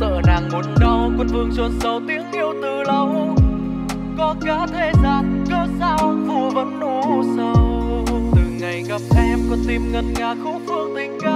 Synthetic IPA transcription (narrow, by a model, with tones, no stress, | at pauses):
zə̰ː˧˨naː˨˩ŋmu˨˩ənɗə˧wkɔ˧nvɨ˧əŋt͡ɕwə˨˧˩nsə˨˦wt̪i˨˦˥əŋhi˧əwt̪ɨ˧˩lə˨˧˩w | kɔ˨˦kaː˨˦˥t̪ʰe˧zaː˧˩nkə˧sa˧wvu˧˩əvə̰˧˥nʔu˧˦sa˧wt̪ɨ˨˩ŋa˨˩jɣə˦˥p̚t̪ʰɛ˧mvaː˨˩t̪i˨˩mŋə˨˩nŋaː˨˩xo˧˥fɨ˧əŋ̚t̪ï˧˩ŋ̟kaː˧˦